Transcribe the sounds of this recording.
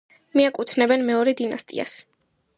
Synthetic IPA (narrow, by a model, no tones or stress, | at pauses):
miakʼut̪ʰnɛbɛnmɛɔɾɛd̪inast̪ʼḭa̰s